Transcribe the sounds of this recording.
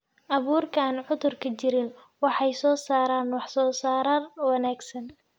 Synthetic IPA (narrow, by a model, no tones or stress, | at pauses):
ʔɑβuːrkʰaːnʕʊðʊrkʰɐt͡ʃɪɾɪn | wɑħɑjsɔːsaːɾaːnwɑħsɔːsaːɾɐrwɑnaːɡsɐn